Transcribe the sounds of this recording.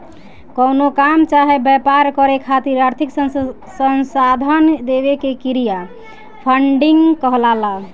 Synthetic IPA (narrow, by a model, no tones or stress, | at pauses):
kɔnokamt͡ʃaɦebɛpaɾkəɾekʰat̪iɾaɾt̪ʰiks | sənsad̪ʱənd̪ebekekiɾija | pʰəɳɖiŋɡkəɦlala